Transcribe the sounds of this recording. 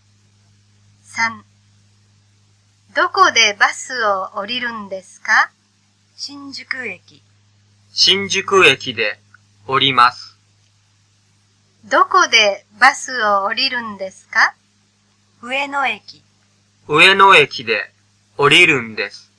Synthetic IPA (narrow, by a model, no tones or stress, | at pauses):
sãŋ | d̪o̞kod̪e̞basɨoːɾʲiɾɯ̟̃nd̪e̞sɨ̥ka | ɕĩɲ̟d͡ʑɨkɯ̟e̞kʲi | ɕĩɲ̟d͡ʑɨkɯ̟e̞kʲid̪e̞ | oɾʲimasɨ̥ | d̪o̞ko̞d̪e̞ | basɨoːɾʲiɾɯ̟̃nd̪e̞sɨ̥ka | ɯ̟e̞no̞e̞kʲi | ɯ̟e̞no̞e̞kʲid̪e̞ | oɾʲiɾɯ̟̃nd̪e̞sɨ̥